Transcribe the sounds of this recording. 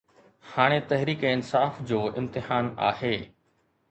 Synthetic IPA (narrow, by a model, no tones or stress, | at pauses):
haːɽ̃et̪ɐɦɾiːkɪnsaːfd͡ʑoːʔɪ̰̃mt̪ɪɦaːna̰ːheː